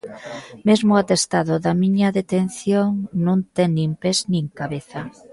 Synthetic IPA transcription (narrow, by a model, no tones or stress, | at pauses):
mezmʊat̪est̪aðʊðamiɲaðet̪en̟θjoŋnũnt̪ɛŋnĩmpeznĩŋkaβeθa